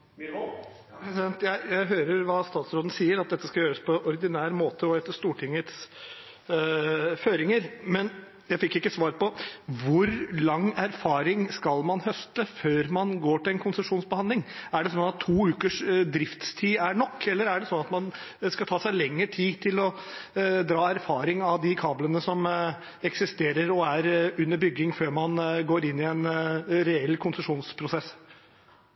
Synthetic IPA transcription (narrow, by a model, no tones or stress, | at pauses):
pɾsɪɛnt̪jæɪjæɪɦøːɾəɾʋɑːst̪ɑːt̪sɾoːd̪n̩siːəɾɑt̪̚d̪ɛt̪ːəskɑjøːɾəspʰɔɔɾd̪ɪnæːɾmoːt̪əɔhɛt̪ːəʂt̪uːʈʰɪŋːət̪s | føːɾɪŋəɾmɛn | jæɪfɪkːɪkːəsʋɑːɾpɔʋʊɾlɑŋːæɾfɑːɾɪŋskɑlmɑnhœst̪əføːɾmɑnɡoːʈɪlɛnkʰʊnsəʂuːnsbəhɑnd̪ɪŋæɖɛsɔnɑt̪ʰːuːʉːkəʂd̪ɾɪft̪st̪ʰiːæɳɔkːɛlːəɾæɖɛsɔnɑt̪mɑnskɑt̪ʰɑːsæɪlɛŋːəʈʰiːt̪ʰɪlɔ | d̪ɾɑːæɾfɑːɾɪŋɑʋd̪ɪkʰɑːblənəsɔm | ɛksɪst̪eːɾəɾɔæɾʉnːəbʏɡːɪŋføːɾmɑnɡoːɾɪnːɪɛnɾɛɛlːkʰʊnsəʂuːnspʰɾʊsɛsː